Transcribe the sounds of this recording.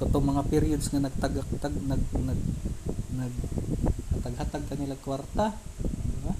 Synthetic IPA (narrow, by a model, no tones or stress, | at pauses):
kot̪oŋmɐŋapɪɾɪjod̪sŋanɐɡ̚t̪aɡat̪aɡnɐɡnɐɡnɐɡ | ɐt̪ɐɡhat̪aɡ̚kɐnɪlakwaɾt̪ad̪ba